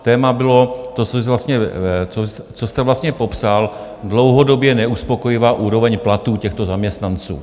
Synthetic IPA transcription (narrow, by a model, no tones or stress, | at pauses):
t̪ɛːmabɪlo̞t̪ot͡sosɪvlast̪ɲɛt͡so | t͡sost̪ɛvlast̪ɲɛpo̞psal | dlo̞wɦodo̞bjɛnɛuspo̞ko̞jɪvaːʔuːɾo̞vɛɲplat̪uːcɛxt̪o̞zamɲɛst̪nant͡sṵː